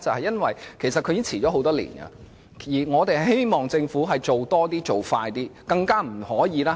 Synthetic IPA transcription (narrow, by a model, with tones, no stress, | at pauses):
t͡sɐ˨whɐ˨jɐ˥nwɐ˨jkʰe˨˩js̬ɐ˨t̚kʰɵ˧ɥjiː˥ŋt͡sʰiː˨˩ɔː˨˥ɦo˨˥wt̪ɔː˥lḭː˨˩nɡɐ̰˧ | jiː˨˩ŋɔː˨˧t̪e˨˩ɦe˥jmɔː˨˩ŋt͡sɪ˧ŋfuː˨˥ɦɐ˨jt͡so˨wt̪ɔː˥t̪iː˥t͡so˨wfaː˧jt̪iː˥kɐ˧ŋkaː˥m̩˨˩hɔː˨˥jiː˨˧laː˦˥